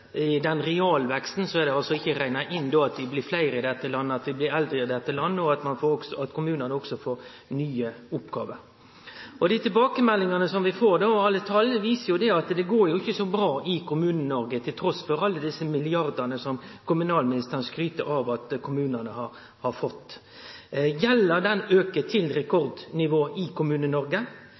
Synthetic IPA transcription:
ɪd̪ɛnɾɛɑːlʋɛkst̪n̩sɔɛd̪ɛɑlsɔɪçːəɾæɪnɑʔɪnːd̪oːɑt̪ʋ̪ɪblɪflæɪɾəɪd̪ɛt̪ːəlɑnːəɑt̪ʋɪblɪɾɛld̪ɾəɪd̪ɛt̪ːəlɑnːəɔɑt̪mɑnfoːɔɡsɔɑt̪kʰʊmʉːnənəɔksɔfoːɾ | nyːəʊpːɡɑ̰ːʋəɾ | ɔd̪ɪt̪ʰɪlbɑːkəmɛlːɪŋɑnəsɔmʋɪfoːɾd̪oːɔɑlːət̪ʰɑlːəʋiːsəjʊd̪ɛɑt̪d̪ɛɡoːɾjʊɪçːəsɔbɾɑːʔɪkʊmʉːnənɔɾɡət̪ʰɪlt̪ʰɾɔsfɔɾɑlːəd̪ɪsːəmɪlɪɑʁd̪ənəsɔmkʊmʉnɑːlmɪnɪst̪əʁnskɾyːt̪əɾɑʋɑt̪kʰʊmʉːnənəhɑɾ | hɑɾfɔt̪ː | jɛlːəɾd̪ɛnøːkət̪ʰɪlɾɛkʰɔɾd̪nɪʋoːɪkʰʊmʉːnənɔɾɡə

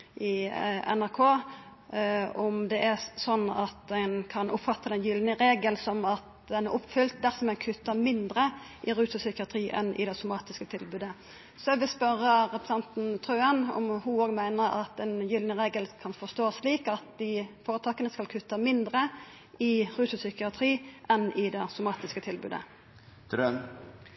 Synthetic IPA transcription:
ʔɪɛ̰næɾkʰoː | ɔmd̪ɛʔæsɔnːɑt̪̚ɛnkʰɑnʔʊpfɑt̪ːɑd̪ɛnjʏlnəɾeːɡəlsɔmɑt̪̚ | d̪ɛnæɾʔʊpːfʏlt̪̚d̪æɾsɔmɛnkʰʉt̪ːəmɪnd̪ɾə | ʔɪɾʉːsʊsʏkɪɑt̪ʰɾiːʔɛnʔɪ̰d̪ɛsʊmɑːt̪ɪskət̪ʰɪlbʉːd̪ə | sɔɛʋɪspœʁːəʁɛpɾəsɑnt̪n̩t̪ʰʁøːənɔ̰mhʊoːɡmæɪnəɾɑ̰t̪ɛnjʏlnəʁeːɡəlkʰɑnfɔʁst̪oːsliːkɑt̪̚d̪ɪfoːɾət̪ʰɑːkənəskɑlkʰʉt̪ːɑmɪnd̪ɾə | ɪʁʉːsʊsʏkɪɑt̪ʰɾiːʔɛnɪd̪ɛsʊmɑːt̪ɪskət̪ʰɪlbʉ̰ːd̪ə̰ | t̪ɾøn

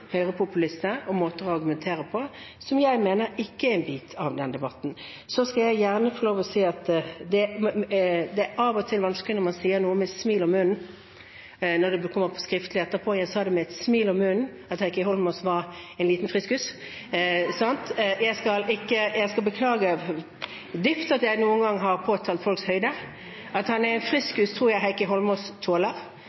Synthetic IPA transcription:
hœʏʁəpʰʊpʉlɪst̪əɔmoːt̪əʁɔɑʁɡʉmɛnt̪ʰeːʁəpʰɔ | sɔmjæɪmeːnəɾɪkːəɛɪnbiːt̪ʰɑʋd̪ɛnd̪ɛbɑt̪ːn̩ | sɔskɑljæɪjæʁnəfɔɾɭoːʋɔsiːɑt̪d̪ɛ | d̪ɛæʔɑːʋɔt̪ʰɪlʋɑnsklɪnɔɾmɑnsiːənuːəmɛt̪smiːlɔmːʉnn̩ | nɔd̪ɛbəkʰɔmːəpʰɔskʁɪft̪lɪɛt̪ːəpʰɔjæɪsɑːd̪ɛmɛɛt̪smiːlɔmːʉn̩ | ɑt̪hæɪkəɦɔlmɔsʋɑʁɛɪnliːt̪n̩fʁɪskhʉːs | sɑnt̪jæɪskɑlɪkːəjæɪskɑlbəkʰlɑːɡə | d̪ʏft̪ɑt̪jæɪnuːənɡɑŋːɦɑʁpʰoːt̪ʰɑːlt̪fɔlkshœʏd̪ə | ɑt̪hɑnæʁɛɪnfʁɪskhʉːst̪ʰʁuːʁjæɪɦæɪkəɦɔlmɔst̪ʰoːləʁ

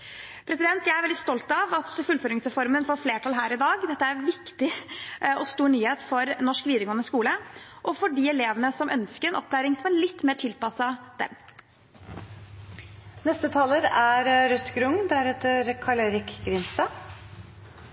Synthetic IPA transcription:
pʰɾɛsɪd̪ɛnt̪jæɪæɾʋɛld̪ɪst̪ɔlt̪ɑʋɑt̪fʉlføːɾɪŋsɾɛfɔɾmənfɔːɾfleːʈʰɑlɦæːɾɪd̪ɑːɡd̪ɛt̪ːəæɾʋɪkt̪ɪɔst̪uːɾɳyːheːt̪fɔɾnɔʂkʋiːd̪əɾɡɔŋənəskuːləʔɔfɔɖɪɛleːʋənəsɔmʔœnskəɾɛnɔpːd̪æːɾɪŋsɔmæɭɪt̪ːmeːʈʰɪlpɑsɑd̪ɛ̰m | nɛst̪ət̪ʰɑːləɾæɾɾœt̪ɡɾʊŋd̪æɾɛt̪əɾkʰɑleɾɪkɡɾɪmst̪ɑ

